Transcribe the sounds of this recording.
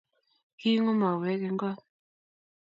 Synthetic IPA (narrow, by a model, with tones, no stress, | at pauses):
ki˦ŋɔ˦ma˨wɛ˨˦ke˨ŋ˦ɡɔ˦˨